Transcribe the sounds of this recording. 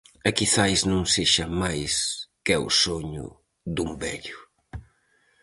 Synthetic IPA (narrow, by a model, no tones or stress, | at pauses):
ɛkiθajznũŋseʃamajskɛṵsoɲʊ̰ | d̪umbɛ̰ʎʊ